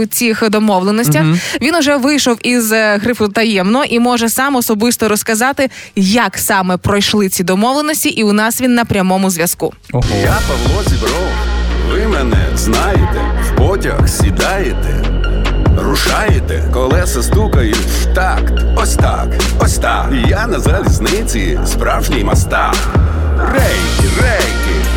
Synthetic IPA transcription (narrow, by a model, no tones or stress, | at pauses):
ʊt͡sʲixd̪ɔmɔʋlˠenɔsʲtʲɐxʋʲinʊʒɛʋɪjʃɔwizɦɾɪpʊt̪ɐjɛmnɔɔʔimɔʒɛsɑmɔsɔbɪst̪ɔɾɔskɐzɑt̪ɪ | jɐksɑmɛpɾɔjʃlˠɪt͡sʲid̪ɔmɔʋlˠenɔsʲtʲiʔiʊnɑsʋʲinːɐpɾʲɐmɔmʊzʋʲjɐskṵjapɐʋlˠɔzʲibɾɔwʋɪmɛnɛ̰znɑjet̪ɛ̰wpɔtʲɐ̰xsʲid̪ɑjet̪ɛ̰ | rʊʃɑjet̪ɛ̰kɔlˠɛsɐst̪ukɐjʊ | ʃt̪ɑk̪ | ɔsʲt̪a̰k | ɔsʲt̪a | janɐzɐlʲiznɪt͡sʲḭ | spɾɑwʒnʲijmɐst̪ɑ | rɛjkʲirɛjkʲɪ